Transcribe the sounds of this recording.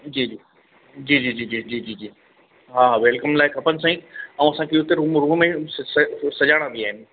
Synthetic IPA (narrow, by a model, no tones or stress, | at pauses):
d͡ʑiːd͡ʑiː | d͡ʑiːd͡ʑiːd͡ʑiːd͡ʑiːd͡ʑiːd͡ʑiːd͡ʑiː | ɦaːʋeːlkəmlaːɪkʰɐpənɪ̆sãːĩɐũɐsãkʰeʊt̪eɾũːmɾũːmmẽssɐd͡ʑaːɽ̃ãbiaːɦɪnɪ̆